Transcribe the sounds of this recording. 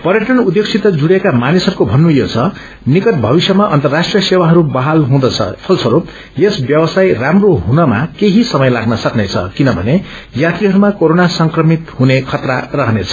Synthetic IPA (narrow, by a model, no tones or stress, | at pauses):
pʌrjʌʈʌnud̪ːjek̚t͡sʰit̪ʌd͡zuɽjekamanisɦʌɾukobʱʌnːujot͡sʰʌ | nikʌt̪̚bʱʌbisjʌmaʔʌnt̪ʌrːasʈrijʌsewaɦʌɾubaɦalɦũd̪ʌt͡sʰʌ̰pʰʌlsʰʌɾo | jesbjʌbʌsajramroɦunʌma̰keɦisʌmʌjlaɡnʌsʌknet͡sʰʌ̰kinʌbʱʌ̰ne | jat̪ɾiɦʌɾumakoɾonasʌŋkrʌmit̪hunekʰʌt̪rarʌɦnet͡sʰʌ̥